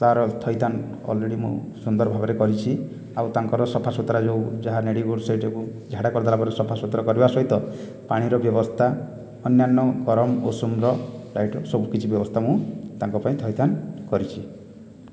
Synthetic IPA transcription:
t̪aɾɔt̪ʰɔjt̪ʰan | ɔ̰lɾeɽimṵ̃sund̪ɔɾbʱabɔɾekɔɾit͡ʃʰi | awt̪aŋkɔɾɔsɔpʰasot̪ɾad͡ʒewd͡ʒaɦaneɽiɡoɽsɔiʈekud͡ʒʱaɽakɔɾd̪alabɔɾesɔpʰasot̪ɾakɔɾibasɔɦit̪ɔ | paɽ̃iɾɔbjɔbɔst̪ʰa | ɔnjanːɔɡɔɾɔmɔosumɾɔɾajʈɔsɔbukit͡ʃʰibjɔbɔst̪ʰamũt̪aŋkɔpaĩt̪ʰɔjt̪ʰankɔɾit͡ʃʰi

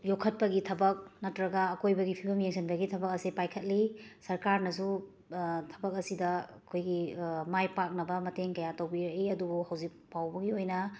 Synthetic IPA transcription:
jokʰɐt̚pɐɡitʰɐbɐk̚nɐtɾɐɡɐːkojbɐɡipʰibɐmjeŋsʰɐnbɐɡitʰɐbɐk̚ɐsipajkʰɐt̚lisɐɾkaɾnɐs̬u | tʰɐ̥bɐk̚ɐsidɐɐkʰojɡimajpak̚nɐbɐmɐteŋkɐjatɐwbiɾɐiɐdubuhɐwzik̚pawbɐɡiojnɐ

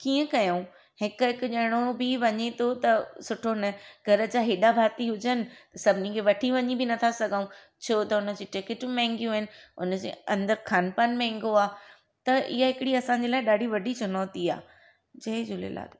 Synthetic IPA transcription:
kiːə̃kɐjaũ | hɪkʊɦɪkʊʄɐɽ̃obɪʋɐɲet̪ʰot̪ɐsʊʈʰonɐɡʱɐɾə̆d͡ʑaːɦeːɗabʱaːt̪iɦʊd͡ʑənɪ̆t̪ɐsɐbʱɪnĩkʰeʋɐʈʰiʋɐɲibɪnɐt̪ʰasɐɡʱaũ | t͡ɕʰot̪ɐʊnə̆d͡ʑiːʈɪkɪʈmẽɦɪ̃ŋɡjũɦɪnɪ̆ʊ̰nəd͡ʑḛːɐ̃nd̪əɾkʰaːnpaːnmɛ̃ɦɪ̃ŋɡoaː | t̪ɐɪ̰ɦaɦɪkɪɽiɐsãːɲd͡ʑeːlaːɪɗaːɖʱiʋɐɖʱit͡ɕʊnɔːt̪ia̰ː | d͡ʑɐɦɪd͡ʑʊlḛla̰ːd̪

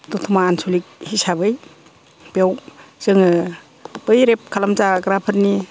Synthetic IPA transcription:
tutʰumaːnsʰulik̚hisabɯj | b̥jawz̥ɯŋɯ | b̥ɯjɾep̚kʰalamzaɡɾapʰəɾni

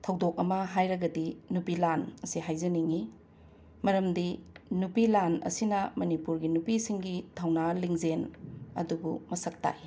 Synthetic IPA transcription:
tʰɐwdok̚ɐmɐɦajɾɐɡɐdinupilanɐsiɦajzɐniŋi | mɐɾɐmdinupilanɐ̰sinɐmɐnipuɾɡinupisiŋɡitʰawnaliŋzenɐ̰dubumɐsɐk̚ta̰ʔi

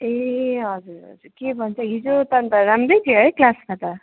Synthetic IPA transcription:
eɦʌd͡zuɾʌ̰d͡zuɾkebʱʌnt͡sʰʌɦid͡ʒot̪ʌnt̪ʌɾamɾejkeɦʌjklasmat̪ʌ

